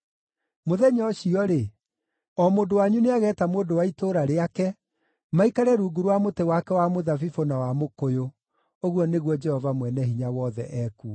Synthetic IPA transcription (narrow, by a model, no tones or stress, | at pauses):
moðɛɲɔɕiɔɾe | ɔmoːndowaɲuneaɣɛːtamoːndowaitoːɾaɾeakɛ | maikaɾɛɾuːɡuɾwamotewakɛwamoðafifonawamokojo | oɣwɔneɣwɔd͡ʒɛhɔvamwɛnɛɦiɲawɔðɛ̰ʔɛku